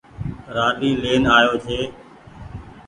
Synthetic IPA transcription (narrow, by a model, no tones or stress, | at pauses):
ɾaːɗiːleːnaːjoːt͡ʃʰeː